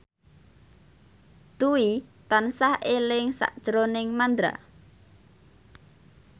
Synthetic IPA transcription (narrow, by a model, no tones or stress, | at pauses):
d̪̥uit̪ansahelɪŋsa̰ʔd̥ʒ̥ɾonɪŋmand̪ɾa̰